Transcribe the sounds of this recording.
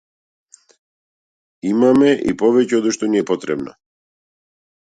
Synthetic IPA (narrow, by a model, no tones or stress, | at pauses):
imamɛʔḭpɔvɛcɛod̪uʃt̪ɔniɛpɔt̪ɾɛ̰bnɔ̰